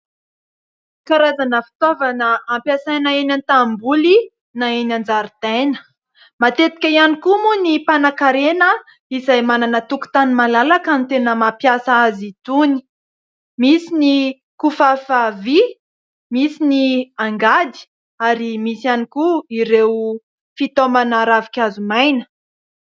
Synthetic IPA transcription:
kaɾazanəfi̥t̪ovanəampjasajnaenʲant̪ambuli | naenand͡zaɾit̪ajnə̥ | mat̪et̪i̥kʲaianikumunipanakaɾenə | izajmananət̪uku̥t̪animalalakant̪enəmapjasaazit̪uni̥ | misini | kufafavi | misiniaŋɡad̪i̥ | aɾimisianikuiɾew | fit̪omanaɾavikʲazumajnə̥

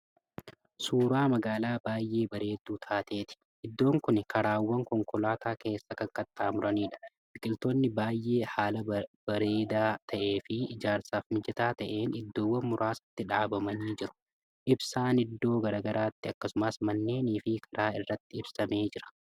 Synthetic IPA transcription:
suːɾaːmɐɡaːlaːbaːjːe̞ːbɐɾe̞ːd̪ːuːt̪ʰaːt̪e̞ːt̪ɪ̥ | ʔɪd̪ːo̞ːŋkʊnkʰɐɾaːwːɐŋkɔŋkɔlaːt̪ʰaːke̞ːsːɐkɐŋkɐt̪ʼːaːmʊɾɐniːᶑɐ̥ | mɪkʼɪlt̪oːnːɪbaːjːe̞ːhaːlɐb̥ɐɾeːd̪aːt̪ʰɐʔe̞ːfɪɪd͡ʒaːɾsaːfmɪd͡ʒɛt̪aːt̪ɐʔe̞ːnɪd̪ːo̞ːwːɐnmʊɾʔaːsɐ̥t̪ːɪᶑaːbɐmɐniːd͡ʒɪɾʊ̥ | ʔɪbsaːnɪd̪ːo̞ːɡɐɾaɡɐɾaːt̪ːɪɐkːɐsʊmɐsmɐnːe̞ːniːfɪkʰɐ̥ɾʔaːɪrːɐt̪ːɪɪbsɐme̞ːd͡ʒɪɾɐ̥

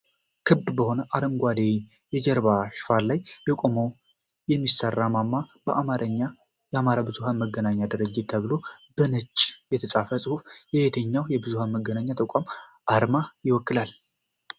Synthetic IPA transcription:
kʰɨbbəho̞nəʔaɾəŋɡʷad̪e | jɛd͡ʒɛɾβaʃfallajbəkʼomow | jɛmːisərːamamːab̥əʔamaɾəɲːa | jɛamaɾabɨzuhanməɡːənaɲːad̪ɨɾəd͡ʒːɪt̪ʰːəβɨlo̞b̥ənət͡ʃʼːjɛt̪ʰəsʼafəsʼɨhufjɛhet̪ʰəɲːawjɛbɨzuhanməɡːənaɲːat̪ʰʼəkʷʼamʔaɾmajɪwɔkːɨlal

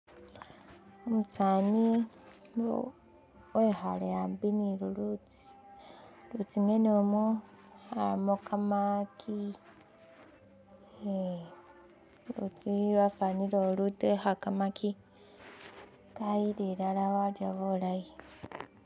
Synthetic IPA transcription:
omusaːni | wexaleaːmbiniɾulut͡si̥ | lut͡siŋenomo | amokamakʰi | lṵt͡siɾwafaniɾolutexakamakʰi | kajiɾeɾalawaɾjaβolaji

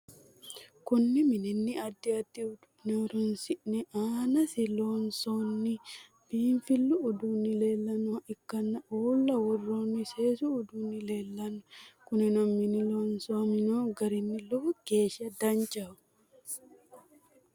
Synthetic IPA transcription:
kʊnːɪmɪnɪnːɪɐd̪ːɪɐd̪ːɪʊd̪ʊneɾʊnsɪʔnɛʔaːnɐsɪloːnsonːɪ | b̥iːɱfɪlːʊːd̪unːɪle̞ːlːɐnoʔɪkːɐnːɐʔoːlːɐwɔrːoːnːɪseːsuːd̪uːnːɪleːlːɐnʊkʊnɪnɔmːɪnɪloːnsomɪnoːɡɐɾɪnːɪlɔfɔɡeːʃɐd̪ɐnt͡ʃɐ

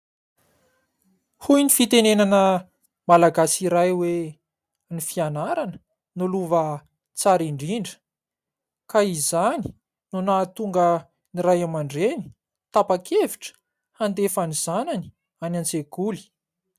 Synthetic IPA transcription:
hujnifit̪enenanə | malaɡasiɾajwe | nifianaɾanə̥ | nuluvə | t͡saɾiɳɖ͡ʐiɳɖ͡ʐə̥ | kaizani̥ | nunaːt̪uŋɡə | niɾajamaɳɖ͡ʐeni̥ | t̪apakʰeviʈ͡ʂə̥ | hand̪efaniz̥anani̥ | anant͡sekuli̥

